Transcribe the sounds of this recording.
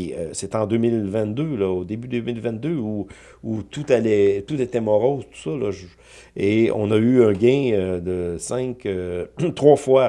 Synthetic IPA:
ə̰set̪ɑ̃d̪øːmɪlvɛ̃t̪d̪ølɔod̪ebyd̪ømɪlvɛ̃t̪̚d̪øu | ut̪ut̪alɛt̪ut̪et̪ɛmɔʁozt̪u̥sɔlɔʒ | eɔ̰̃nʌyœ̃ɡʲɛ̃ød̪əsɛ̃køt̪ʁwafwa

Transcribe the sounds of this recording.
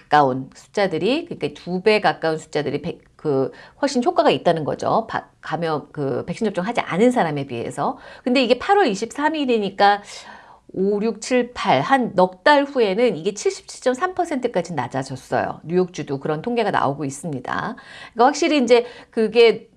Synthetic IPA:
kḁk͈aunsʰu̥t͡ɕ͈adɯɾikɯɲik͈aitube̞kak͈aunsʰu̥t͡ɕ͈adɯɾipe | kɯwʌɭɕ͈inɕʰok͈aɡait̚t͈anɯnɡʌ̰d͡ʑo̰pa̰kamjʌnkɯpe̞k̚ɕ͈ʰind͡ʑʌpt͡ɕ͈oŋɦad͡ʑiʔa̰nɯnsʰaɾame̞piɦe̞̰sʰʌkɯnde̞iɡe̞pʰaɾwʌɾiɕʰip̚s͈ʰamiɾiɲik͈a | oɾjuk̚t͡ɕʰiɭpʰaɭhanːʌk̚t͈aɭɸue̞nɯniɡe̞t͡ɕʰiɭɕ͈i̥p̚t͡ɕʰi̥ɭt͡ɕ͈ʌmsʰampʰʌsʰe̞ntʰɯk͈ad͡ʑina̰d͡ʑad͡ʑʌs͈ʌ̰jo̰ɲujok̚t͡ɕ͈udokɯɾʌntʰoŋɡe̞ɡana̰oɡois͈ɯmɲida̰ik͈aɸwakɕ͈iɾiːnd͡ʑe̞kɯɡe̞

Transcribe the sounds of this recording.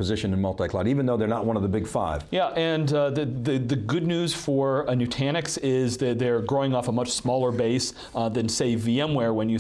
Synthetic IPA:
pʰɨzɪʃɨ̃nɨ̃nmʌlˠtaɪkʰl̥ˠɑɾivɨ̃nðoʊðə˞nət̚wʌ̃nʌvðəbɪɡfaɪv̥jæʔɨ̃nðɨðɨðɨɡʊdⁿnʉz̥fə˞ɨnʉtʰæñɨksɪzðɨt̪̚ðə˞ɡɹoʊɪ̃ŋɔfəmʌt͡ʃsmɔlˠə˞beɪs | ðɨ̃nseɪviɛ̃mwɛɹwə̃njɨ

